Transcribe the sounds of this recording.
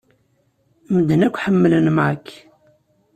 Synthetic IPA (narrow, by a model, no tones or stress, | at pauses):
məd̪ənækʷħəmːələnmʕakː